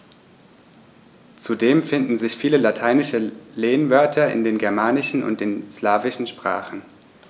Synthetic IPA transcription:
t͡sudeːmfɪndn̩zɪçfiːləlatʰaɪnɪʃəleːənvœɐtʰɐɪ̰ndeːnɡɛɐmaːnɪʃn̩ʊ̰nt̚d̥eːnslaːvɪʃn̩ʃpʁ̥a̰ːχn̩

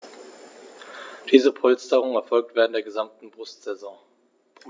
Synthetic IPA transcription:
d̥iːzəpʰɔlstəʁ̞ʊŋənɛɐfɔlk̚tv̥eːʁəntdeːɐɡəzamtn̩bʁʊstz̥ɛzɔ̃ŋ

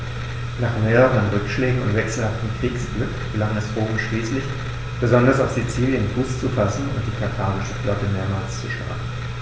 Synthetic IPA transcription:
naːχmeːʁəʁənʁʏkʃlɛːɡŋ̩ʊ̰ntv̥ɛksl̩haftm̩kʁ̥iːksb̥lʏkb̥əlaŋɛsʁoːmʃliːslɪç | b̥əzɔndɐsaʊfz̥it͡siːljənfuːst͡sufasn̩ʊnt̚d̥iːkʰatʰaːʁɪʃəflɔtəmeːɐmaːlst͡suʃl̥a̰ːɡŋ̩

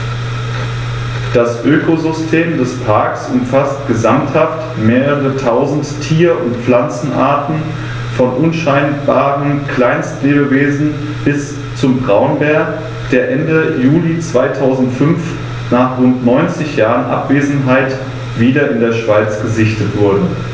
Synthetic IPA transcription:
d̥asʔøːkʰozʏstʰeːmdɛspʰaɐksʔʊmfastɡ̥əzamthaft | meːʁəʁətʰaʊzn̩tʰːiːɐʔʊntp͡flant͡sn̩ʔa̰ːɐtn̩ | fɔnʔʊnʃaɪnb̥aːʁənkʰl̥aɪnstleːbəveːzn̩ | b̥ɪs | t͡sʊmbʁaʊənbɛɐk | d̥eːɐʔɛndəjuːlit͡sv̥aɪtʰaʊzn̩tfʏnf | naːχʁʊntnɔʏnt͡sɪçjaːʁənʔa̰pv̥eːzn̩ɦaɪt | v̥iːdɐɪndeːɐʃv̥aɪt͡sɡ̥əzɪçtətv̥ʊɐdn̩

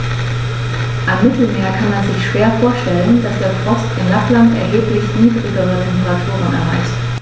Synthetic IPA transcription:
ʔamːɪtl̩meːɐkʰanmanzɪçʃv̥eːɐfoːɐʃtɛlənd̥asd̥eːɐfʁ̥ɔstʔɪmlaχlantʔɛ̰ɐɦeːplɪçniːdʁɪɡəʁ̞ətʰɛmpəʁatʰuːʁ̞ənɛ̰ɐʁa̰ɪçt

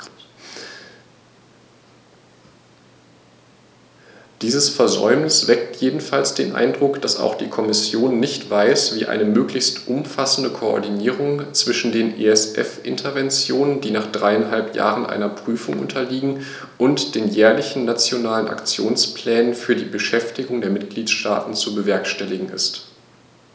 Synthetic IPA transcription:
d̥iːzəsfɛɐzɔ̰ʏmnɪsv̥ɛktʰjeːdn̩falsd̥ḛːnʔa̰ɪndʁʊkd̥asa̰ʊxd̥iːkʰɔmɪsjoːnːɪçtv̥aɪsv̥iːʔa̰ɪnəmøːklɪçstʔʊmfasn̩dəkʰoɔ̰ɐdiniːʁʊŋt͡sv̥ɪʃn̩deːnʔḛɛsʔɛ̰fʔɪ̰ntʰɐvɛnt͡sjoːnəndiːnaːχd̥ʁaɪanɦalpʰja̰ːʁənʔa̰ɪnɐpʁ̥yːfʊŋʔʊ̰ntʰɐliːɡŋ̩ | ʔʊntd̥eːnjɛːɐlɪçn̩nat͡sjonaːləna̰kt͡sjoːnspl̥ɛːnənfyːɐdiːbəʃɛftɪɡʊŋdeːɐmɪt̚ɡ̥liːtʃta̰ːtn̩t͡subəvɛɐkʃtɛlɪɡŋ̩ɪ̰st

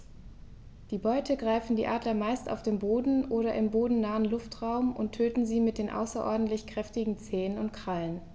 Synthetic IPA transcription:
d̥iːbɔʏtʰəɡʁaɪfn̩diːʔaːdlɐmaɪsta̰ʊfd̥eːmboːdn̩ʔoːɾɐʔɪmboːdn̩naːənlʊftʁ̥aʊmʔʊ̰ntʰːøːtn̩ziːmɪt̚d̥eːnʔa̰ʊsɐʔɔ̰ɐdn̩tlɪçkʁ̥ɛftɪɡŋ̩t͡sɛːənʊntkʁ̥alən

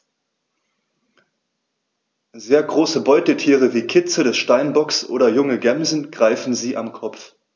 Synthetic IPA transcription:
zeːɐɡʁoːsəbɔʏtətʰiːʁ̞əviːkʰɪt͡sədɛsʃtaɪnbɔksʔo̰ːdɐjʊŋəɡɛmzn̩ɡ̥ʁaɪfn̩ziːʔamkʰɔp͡f

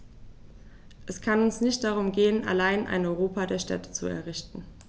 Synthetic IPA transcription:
ʔɛskʰanʊnsnɪçt̚d̥aʁ̞ʊmɡeːənʔa̰laɪnʔa̰ɪnɔʏʁ̞oːpadeːɐʃtɛ̰tə̥t͡sṵɛ̰ɐʁɪçtn̩

